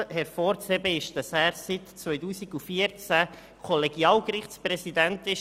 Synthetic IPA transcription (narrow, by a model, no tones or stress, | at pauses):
hɛɾfɔːɾt͡sɛbəɪʃd̥ɑsæːɾsitt͡sʋœʏtuːsiɡufiəɾt͡sæ | kʰɔleɡiɑːlɡɾɪχtsprɛsidænt̪ɪʃ